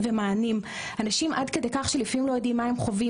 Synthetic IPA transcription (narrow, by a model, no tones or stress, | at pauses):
vemaːnim | anaʃimʔadkedekaχʃelifimlojodimːaemχo̞vi